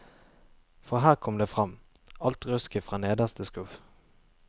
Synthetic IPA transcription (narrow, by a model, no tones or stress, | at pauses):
fɔʁɦæːʁkʰɔmd̪eːfʁɑm | ɑlt̪ʁʉskəfʁɑːneːd̪əst̪ʰəskʉf